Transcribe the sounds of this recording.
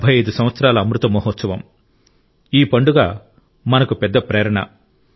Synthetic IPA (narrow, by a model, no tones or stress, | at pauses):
bʱɐjɐjd̪usɐmʋɐt̪sɐɾaːlɐːmɾut̪ɐmɔːɦɔːt̪sɐʋɐm | iːpɐɳɖuɡa̰ː | mɐnɐkupɛd̪ːɐpɾɛːɾɐɳɐ̰